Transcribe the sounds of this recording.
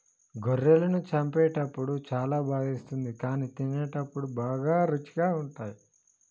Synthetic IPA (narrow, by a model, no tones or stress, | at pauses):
ɡʱoɾːelɐnut͡ʃɐmpɛːʈɐpːuɽut͡ʃaːlaːbʱaːɡist̪und̪ikaːniːt̪ineːʈɐpːuɽubaːɡaːɾut͡ʃi̥ɡaːuɳʈaːji